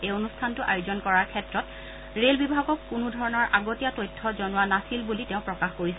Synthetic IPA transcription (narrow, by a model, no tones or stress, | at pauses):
eonustʰantʊʔajʊzɔnkɔɹaɹkʰɛtɹɔt | ɹelbibʱaɡɔkkːunʊdʱɔɹɔnɔɹʔaɡotijatojtʰːɔzɔnʊwanasilbulitɛʊ̃pɹɔkaxkoɹisɛ